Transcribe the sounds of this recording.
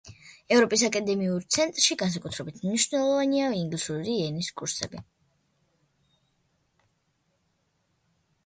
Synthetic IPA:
ɛvɾɔpʼis̬akʼad̪ɛmiuɾt̪sʰɛnt̪ʼɾʃiɡans̬akʼut̪ʰɾɛbit̪ʰmniʃvnɛlˠɔvaniaiŋɡlisuɾiɛniskʼuɾsɛ̰bi

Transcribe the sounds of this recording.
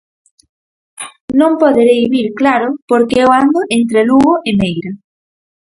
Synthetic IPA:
nõmpoðeɾejβiɾklaɾʊpoɾkeoand̪oʔent̪ɾeluɣoʔemejɾa

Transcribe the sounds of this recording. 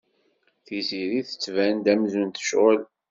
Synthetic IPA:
θiziɾiθə̥t͡sːvænd̪æmzunt̪ə̥ʃəl

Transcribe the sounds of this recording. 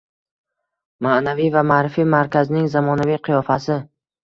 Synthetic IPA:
manavijvamaːɾɪfimaɾkʲaznɪŋzamɒnavijqʰɨjɒfasɪ

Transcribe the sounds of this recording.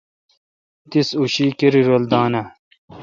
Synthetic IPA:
t̪isuɕiːkeɾiɾold̪aːnɐ

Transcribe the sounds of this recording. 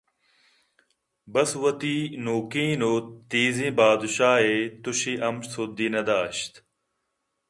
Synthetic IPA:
bɐswɐt̪iːnuːkĩːnoːt̪iːzĩːbaːd̪ʃaːɦet̪uɕiːʔɐmsud̪iːnɐd̪aːɕt̪

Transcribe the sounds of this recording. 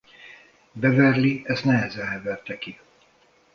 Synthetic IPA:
bɛvɛrliɛst̪nɛɦɛzɛlɦɛvɛrt̪ɛki

